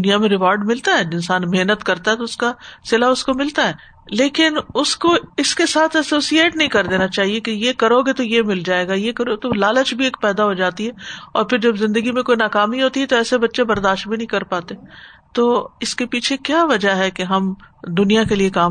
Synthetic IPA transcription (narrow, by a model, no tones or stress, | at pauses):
ʊnijamẽɾɪʋɔːɾɖmɪlt̪aɦɛɪ̃nsaːnmeɦnət̪kɐɾt̪aɦɛt̪oʊskasɪlaʊskomɪlt̪aɦɛː | leːkɪnʊskoɪskesaːt̪ʰɛsoːsieːʈnɐɦĩkɐɾd̪eːnat͡ʃaːɦiekejekɐɾoːɡet̪ojemɪld͡ʒaːeːɡajekɐɾot̪olaːlət͡ʃbʱieːkpɛːd̪aɦod͡ʒaːt̪iɦɛɔ̰ːɾpʰɪɾd͡ʒɐbzɪ̃nd̪əɡimẽkoːinaːkaːmiɦoːt̪iɦɛt̪oɛːsebɐtːʃebɐɾd̪aːʃʈbʱinɐ̃ɦĩkɐɾpaːt̪et̪oːɪskepiːt͡ʃʰekjaːʋɐd͡ʒaɦɛkeɦɐmd̪ʊnijakeliekaː